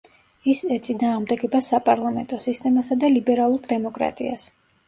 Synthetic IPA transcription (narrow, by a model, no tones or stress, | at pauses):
isɛt̪sʼinaːʁmd̪ɛɡɛbasapʼaɾlˠamɛ̰nt̪ʼɔsist̪ʼɛmasad̪alibɛɾalˠuɾd̪ɛmɔkʼɾa̰t̪ʼḭa̰s